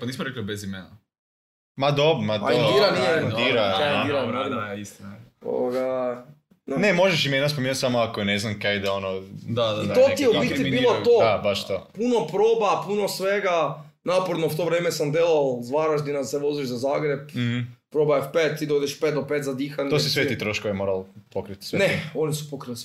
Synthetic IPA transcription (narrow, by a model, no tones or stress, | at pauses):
paniːsmoɾeklibezimena | mad̪obmataoiɾanijeiɾaaiɾanoinist̪inao̰oɡa | nnemoʒeʃimenaspomenut̪samoakoneznamkaid̪aonod̪adait̪ot̪ijeupit̪ibiːlˠot̪od̪abaʃt̪opuno̞pɾoːbapuno̞sʋeɡa | napoɾd̪nowt̪o̞ʋɾeːmesamd̪elolzʋaɾaʒd̪inaseʋoziʒzazaːɡɾebpɾoːbaefpet̪t̪ːiːd̪aod̪eʃpet̪d̪opet̪zad̪iːxanos̬isʋeit̪ɾoʃkojemoːɾalpokɾit̪sʋeneo̞nisu̥pokɾili